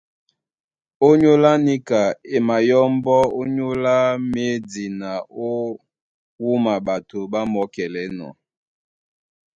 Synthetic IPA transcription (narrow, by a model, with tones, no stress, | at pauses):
o˦ɲo˦la˦ni˦ka˨e˨ma˨jɔ˦m˦bɔ˦o˦ɲo˦la˦me˦di˨na˨o˦ | wu˦ma˨ba˨to˨ba˦mɔ˦kɛ˨lɛ˨˦nɔ̰˨